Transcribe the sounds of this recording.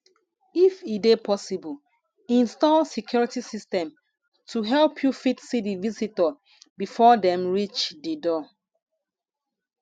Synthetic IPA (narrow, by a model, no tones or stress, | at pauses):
ifidepʰɔsibul | ĩnstɔlsikjɔɹitisistɛ̃m | tʰuɦɛlˠpʰjufitsidivisitə | bifɔdɛ̃mɹit͡ʃdidɔ